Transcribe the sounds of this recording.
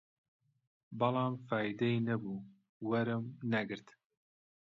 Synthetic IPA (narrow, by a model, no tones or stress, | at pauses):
bɑlˠɑːmfɑːjd̪ɛinɛbuː | wɛɾɨmnɛɡɨɾt̪